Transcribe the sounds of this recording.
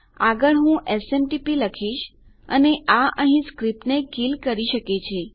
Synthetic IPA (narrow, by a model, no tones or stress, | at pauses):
aɡəɭɦũʔesemʈipiləkʰiʃ | əneʔaʔəɦĩskɾip̚ʈnekilkəɾiʃəket͡ʃʰe